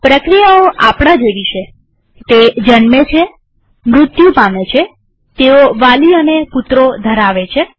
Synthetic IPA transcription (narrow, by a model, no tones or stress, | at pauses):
pɾəkɾijaoʔapɽ̃ad͡ʒeʋiʃe | t̪ed͡ʒənmet͡ʃʰe | mɾʊt̪jũpamet͡ʃʰe | t̪eoʋaliəneput̪ɾod̪ʱəɾaʋet͡ʃʰe